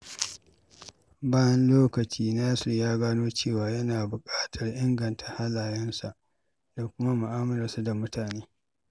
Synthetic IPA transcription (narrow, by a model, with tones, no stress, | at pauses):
baː˦jɐ˦nloː˦kɐ˨t͡ʃiː˦naː˦sʊ˨jaː˦ɡaː˦noː˦t͡ʃeː˦˨waː˨jɐ˦naː˨bʊ˨kʼaː˦tʰɐ˨rʔɪ˦ŋɡɐ˨ntʰa˨ha˦laː˨jɛ˦nsa˨ʔ | da˨kʷʊ˦ma˦mʊ˨ʔaː˦mɐ˦ɾa˨su˦da˨mʊ˦tʰaː˨neː˦